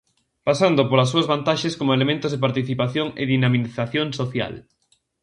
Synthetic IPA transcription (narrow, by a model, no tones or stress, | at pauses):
pasand̪opolas̬ːuɐzβant̪aʃeskomoelemẽnt̪oʊzðep̬aɾt̪iθipaθjoŋḛðinamiθaθjoŋsoθja̰l